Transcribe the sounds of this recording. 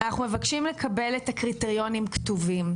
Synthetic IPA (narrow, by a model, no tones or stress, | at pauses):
anaχnumevakʃimle̞kʰabe̞letakʁiteʁijo̞nimktovim